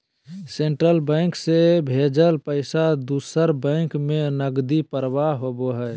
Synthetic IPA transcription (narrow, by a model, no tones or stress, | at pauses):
seɳʈɾəlbɛ̃ŋksebʱed͡ʒəlpəɪsad̪usəɾbɛ̃ŋkmẽnəɡd̪ipəɾʋaɦoboɦɛ